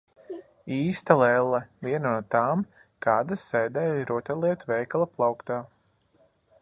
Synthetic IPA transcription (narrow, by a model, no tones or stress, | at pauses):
iːst̪alˠɛlˠːɐvʲiɛnanuɔt̪aːm | kaːd̪asɛjd̪ɛːjɾuɔt̪ʲɛlˠiɛt̪vɛjkalˠaplˠawkt̪aː